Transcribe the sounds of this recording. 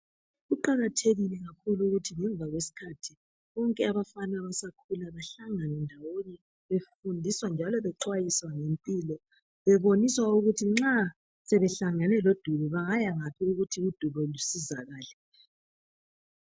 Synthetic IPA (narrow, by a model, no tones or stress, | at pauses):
ɣuǃaɣatʰeɣilɛɣakʰuluuɣutʰiŋɛɱb̪vʱaɣwesi̥kʰatʰi | βɔŋkʼɛaβafanwaβasakʰulaβaɬaŋaŋɛndʱawoni | βefundʱiswand͡ʒʱalɔβɛǀʰwajiswaŋempʼiːlɔ | βɛβoniswauɣutʰiŋ͡ǁa | sɛβɛɬaŋanɛlod̥ʱuβɔβaŋajaŋapʰiuɣutʰiud̥ʱuβɔlusizaɣaːlɛ